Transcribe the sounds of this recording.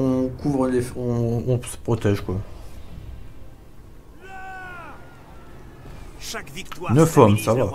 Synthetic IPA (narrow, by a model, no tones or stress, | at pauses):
ɔ̃kʰuvʁlefɔ̃ːsə̥pχɔt̪ɛʒkwa | nəfɔmsava